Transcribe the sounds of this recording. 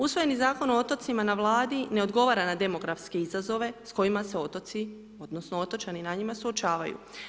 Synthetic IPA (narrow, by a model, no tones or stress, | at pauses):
usʋo̞je̞nizaːko̞noot̪o̞t̪simanaʋlˠaːd̪ine̞o̞d̪ɡo̞ʋaɾanad̪e̞mo̞ɡɾafske̞izazo̞ʋe̞sko̞imase̞ot̪ot̪si | o̞d̪nosnoot̪ot͡ʃaninaɲimasuo̞t͡ʃaːʋajṵ